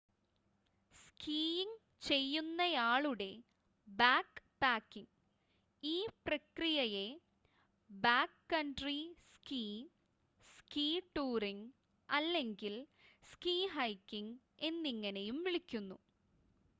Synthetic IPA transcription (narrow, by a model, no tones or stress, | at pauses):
skʰiːjiŋ | t͡ɕe̞jːunːɐjaːɭuɽe̞ | baːkpaːkːiŋ | iːprɐkrijɐje̞ | baːkːɐɳɖriskiː | skiːʈːuːriŋ | ɐlːe̞ŋɡilskiːɦɐjkːiŋ | e̞nːiŋːɐne̞jumʋiɭikʲːunːu